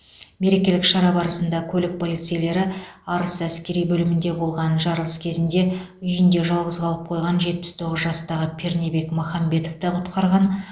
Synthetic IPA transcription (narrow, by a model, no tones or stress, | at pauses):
me̞ɾe̞kʲe̞lɪkʃɑɾɑbɑɾəsənd̪ɑkʲʰɵlɪk̚pʰolijt̪sɨjele̞ɾɪɑɾəsæskʲe̞ɾijbɵlɪmɪnd̪e̞bo̞lˠʁɑnʒɑɾʁəskʲʰe̞zɪnd̪e̞ | ʏjɪnd̪e̞ʒɑlˠʁəzʁɑlˠəp̚qʰo̞jʁɑnʒe̞t̪̚pɪ̥st̪ʰo̞ʁəzʒɑst̪ɑʁəpʰʲe̞rnʲebe̞kmoχɑmbe̞t̪oft̪əqʰʊt̪qɑɾʁɑn